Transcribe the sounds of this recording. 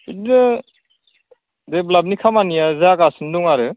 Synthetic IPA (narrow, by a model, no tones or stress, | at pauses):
udnɯ | deblabnikʰamanijazaakasɯnduŋaɾɯ